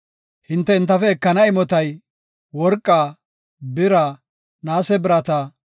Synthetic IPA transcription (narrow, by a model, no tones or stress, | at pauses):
hɪnt̪ːɛhɪnt̪ːɐfɛːkːɐnɐɪmɔt̪ɐj | wɔɾkʼːaː | bɪɾa | naːsɛbɪɾɐt̪ɐ